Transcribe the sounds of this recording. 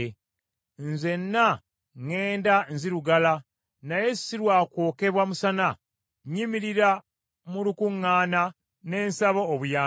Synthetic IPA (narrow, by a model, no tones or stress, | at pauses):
nze̞nːa | ŋe̞ːndanziɾuɡala | naje̞ssiɾwaːkwo̞ːke̞βwamusana | ɲimiɾiɾa | mulukuŋːaːna | ne̞ːnsaβoːβujaː